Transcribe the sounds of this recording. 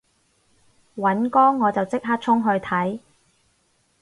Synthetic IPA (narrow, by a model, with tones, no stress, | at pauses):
wɐ˨˥nkɔː˥ŋːɔː˨˧t͡sɐ˨wt͡sɪ˥k̚ɦaː˥k̚t͡sʰʊ˥ŋɦɵ˧ɥt̪ʰɐ˨˥j